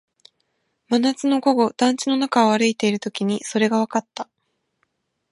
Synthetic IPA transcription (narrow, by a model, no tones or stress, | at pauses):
manat͡sɨno̞ɡo̞ɡo̞d̪̥ãɲ̟t͡ɕino̞nakaoβaɾɯit̪e̞iɾɯ̟t̪o̞kʲiɲ̟iso̞ɾe̞ɡaβ̞akat̪ːa